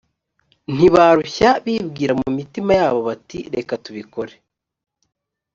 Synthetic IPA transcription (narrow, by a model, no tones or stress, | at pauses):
n̥iβaːɾuçaβiːbɡiːɾamumitimajaːβo̞βatiɾe̞katuβiko̞ɾe